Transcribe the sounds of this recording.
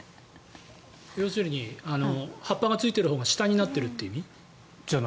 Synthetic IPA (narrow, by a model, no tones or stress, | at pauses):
jo̞ːsɨɾʲiɲ̟iano̞hapːaɡat͡sɨit̪e̞ɾɯ̟ho̞ːɡaɕi̥t̪aɲ̟inat̪ːe̞ɾɯ̟t̪ːeimʲi | d͡ʑan